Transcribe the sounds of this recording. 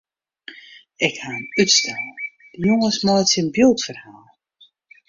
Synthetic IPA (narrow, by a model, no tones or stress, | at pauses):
ɪkhaːənytstʰɛl | d̥əjoŋəsmɔjsinbjulˠtfərhaːlˠ